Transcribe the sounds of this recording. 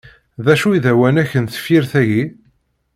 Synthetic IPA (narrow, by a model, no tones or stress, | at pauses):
ðæʃuiðæwænæçənθə̥fiɾθæʝi